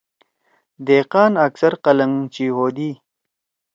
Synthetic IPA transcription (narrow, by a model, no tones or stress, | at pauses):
d̪eːqɑːnɐksɐɾqɐlɐŋt͡ʃiɦoːd̪iː